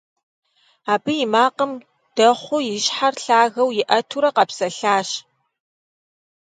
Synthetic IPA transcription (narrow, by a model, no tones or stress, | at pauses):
aːbɨjɪmaːqəm | d̥ɐχʷʊjɪɕħarɬaːɣɐwjɪʔɐtʰuɾɐqɐpsɐɬaːʃ